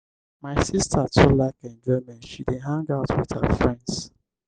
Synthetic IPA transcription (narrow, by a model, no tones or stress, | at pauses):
maɪsistʰətʰulaɪkɛ̃nd͡ʒɛmɛ̃nʃideɦãŋɡaʊtʰwið̥hə̰fɹɛ̃nds